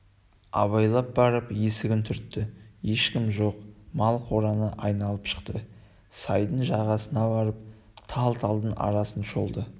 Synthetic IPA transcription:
ɑ̰βɑjlˠɑp̚bɑɾəpje̞sɪɡʲɪnt̪ʰʏɾt̪ːɪje̞ʃkʲɪmʒo̞qmɑlˠqʰo̞ɾɑnəʔɑjnɑlˠəpʃə̥qt̪ə | sɑjd̪əɴʒɑʁɑsənɑbɑɾəp̚ | t̪ʰɑlˠt̪ʰɑlˠd̪ənɑ̰ɾɑsənʃo̞lˠd̪ə

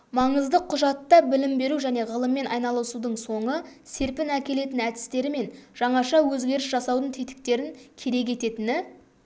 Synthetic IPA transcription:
mɑɴəzd̪əqʰːʊʒɑt̪ːɑbɪlɪmbe̞ɾuʒæne̞ʁəlˠəmːe̞nʔɑjnɑlˠəsud̪əɴso̞ɴəse̞ɾpɪnækʲe̞le̞t̪ɪnæd̪ɪ̥st̪e̞ɾɪme̞nʒ̥ɑɴɑʃɑwɵzɡʲe̞ɾɪsʒɑsɑwd̪əɴt̪ʰet̪ɪ̥k̚t̪e̞ɾɪŋkʲʰe̞ɾe̞k̬ʲe̞t̪e̞t̪ɪnɪ

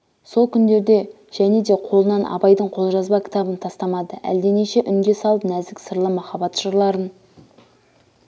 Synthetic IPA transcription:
so̞lˠkʲʰʏnd̪e̞ɾd̪e̞ | ʒ̥æne̞d̪e̞qʰo̞lˠənɑnʔɑ̰bɑjd̪əɴqʰo̞lˠʒɑzbɑkʲʰɪ̥t̪ɑbənt̪ʰɑst̪ɑmɑd̪əʔæ̰ld̪e̞neʃe̞ʔʏŋɡʲe̞sɑlˠəpnæzd̪ɪkʲsəɾlˠəmɑχɑbɑt̪ʒ̥əɾlˠɑɾən

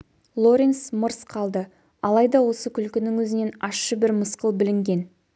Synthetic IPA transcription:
lˠo̞ɾʲensməɾsqʰɑlˠd̪ə | ɑlˠɑjd̪ɑwo̞səkʲʰʏlkʲɪnɪŋwɵzɪne̞nɑsʃəbɪɾməsqəlˠbɪlɪŋɡʲe̞n

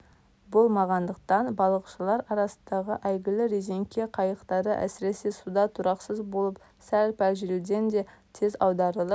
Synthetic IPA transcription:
bo̞lˠmɑʁɑnd̪əqt̪ɑnbɑlˠəqʃəlˠɑɾɑɾɑsənd̪ɑʁəʔæjɡʲɪlɪɾeze̞ŋkʲʰe̞qʰɑjəqt̪ɑɾə̰ʔæ̰sɪɾe̞se̞sud̪ɑt̪ʰʊɾɑqsəzbo̞lˠəp | sælpælʒɪɾɪlɡʲe̞nd̪e̞t̪ʰe̞zɑwd̪ɑɾəlˠəp

